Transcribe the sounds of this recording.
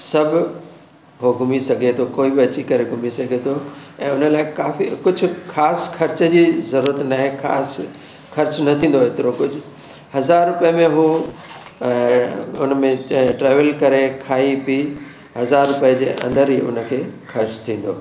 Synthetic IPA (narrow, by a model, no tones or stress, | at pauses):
sɐbʱ | ɦoɡʱʊmisɐɡʱet̪ʰokoːibɪɐt͡ɕikɐɾeɡʱʊmisɐɡʱet̪ʰoɛ̃ːʊnəlaːɪkaːfikʊd͡ʑʱʊ̆xʰaːsxʰɐɾt͡ɕəd͡ʑiːzɐɾuːɾət̪naːɦekʰa̰ːs | xʰɐɾt͡ɕnɐt̪ʰĩːnd̪oɦɪt̪ɪɾokʊd͡ʑʱʊ | hɐzaːɾːʊpiəmẽɦũː | ʊnmẽʈɾeːʋəlkɐɾekʰaːipi | ɦɐzaːɾʊpijəd͡ʑeːʔɐ̰̃nd̪əɾɦiːʔʊ̰nəkʰeːxʰɐɾt͡ɕt̪ʰĩːn̆d̪oː